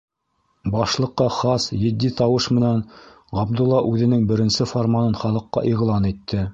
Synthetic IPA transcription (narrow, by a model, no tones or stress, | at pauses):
bɑʃlˠɤ̆qːɑχɑsjɘ̆d̪ːit̪ɑwɤʃmɘ̆næn | ʁɑb̚d̪ulˠːɑʔʉðɘ̆nɘŋbɘ̆ɾɘ̆nsɘfoɾmɑnɤnχɑlˠɤ̆qːɑ̰ʔiʁlˠɑnit̪ʰːɘ